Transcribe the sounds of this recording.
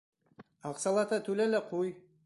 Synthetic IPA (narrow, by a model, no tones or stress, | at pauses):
ɑqsɑlˠɑt̪ɑt̪ʉlælæqʰuj